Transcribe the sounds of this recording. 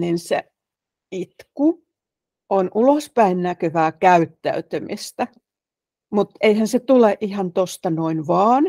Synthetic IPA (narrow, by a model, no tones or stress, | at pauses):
ninsḛ | it̪ku | onʔulospæinnækøʋæːkæyt̪ːæ̰yt̪ymist̪æ | mut̪eihænset̪uleʔʔihɑnt̪ost̪ɑnoinʋɑːn